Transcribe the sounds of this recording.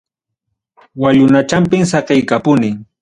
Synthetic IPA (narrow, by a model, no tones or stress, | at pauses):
waʎʊnat͡ʃampɪmsɑqejkapʊnɪŋ